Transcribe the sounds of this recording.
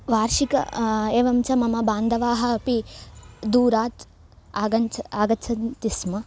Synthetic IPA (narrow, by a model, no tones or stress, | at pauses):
ʋaːɾʃikɐ̰eːʋɐmt͡ʃɐmɐmɐbaːnd̪ʱɐʋaːɦɐːpi | d̪uːɾaːt̪ | aːɡɐnt͡ʃaːɡɐt͡ʃʰɐnt̪ismɐ